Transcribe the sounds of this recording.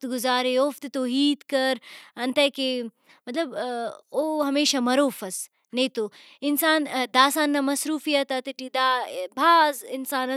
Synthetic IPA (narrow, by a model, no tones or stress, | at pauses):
t̪ɡʊzaːɾeoːft̪t̪oːɦiːd̪kɐɾɐnt̪ɐke | mɐt̪lɐboːɦɐmeːʃamɐɾoːfɐs | nɐ̃jt̪o | ɪnsaːnd̪aːsaːnːɐmɐsɾuːfijɐt̪ɐt̪iʈid̪abʱaːzɪnsaːnɐ